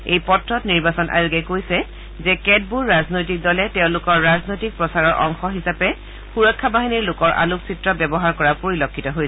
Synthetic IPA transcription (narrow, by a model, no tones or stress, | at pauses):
ejpɔtɹɔtniɹbasɔnʔa̰ɹuɡɛkojsɛ | zɛkɛd̚buɹːaznojtik̚dɔlɛtɛʊ̃lʊkɔɹːaznojtik̚pɹɔsaɹɔɹʔɔŋxɔɦisapɛ | xuɹɔkʰːabaɦiniɹlʊkɔɹʔa̰luksitɹɔbɛbɔɦaɹkɔɹapoɹilɔkʰːitɔɦojsɛ